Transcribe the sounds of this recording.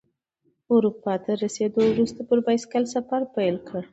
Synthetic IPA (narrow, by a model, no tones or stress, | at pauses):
ʊɾupɑt̪aɾased̪owɾust̪apəɾbajskalsafaɾpajlkəɽ